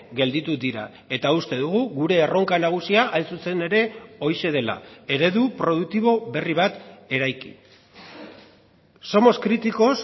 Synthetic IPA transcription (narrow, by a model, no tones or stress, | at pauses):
ɡe̞ld̪it̪ud̪iɾa̰ | e̞t̪aust̪e̞ðuɣ̞uɣuɾe̞ːro̞ŋkanaɣ̞usiaʔajnsuse̞ne̞ɾe̞o̞jʃe̞ð̞e̞la̰e̞ɾe̞ðupɾo̞ð̞uk̚t̪iβ̞o̞βe̞riβ̞at̪e̞ɾajkḭ | so̞mo̞skɾit̪iko̞s